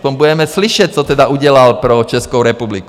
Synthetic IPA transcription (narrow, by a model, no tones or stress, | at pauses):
pɔɲbuɟɛmɛsliʃɛc̚t͡sɔt̪ɛd̪auɟɪɛlalpɾɔt͡ʃɛskɔʊɾɛpublik